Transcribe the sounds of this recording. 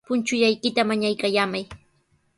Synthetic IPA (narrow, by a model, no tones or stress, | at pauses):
pʊnt͡ʃʊjajkɪt̪amaɲajkajaːmaj